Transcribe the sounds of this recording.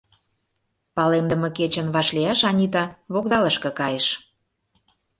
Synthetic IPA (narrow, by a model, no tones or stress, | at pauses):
pɑlemd̪ə̆mɤ̆ket͡ɕə̆nβɑʃliɑʃɑnʲit̪ɑβokzɑləʃkɤ̆kɑjeʃ